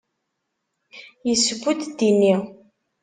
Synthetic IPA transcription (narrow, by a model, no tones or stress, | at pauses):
jəsɡʷut̪d̪inːi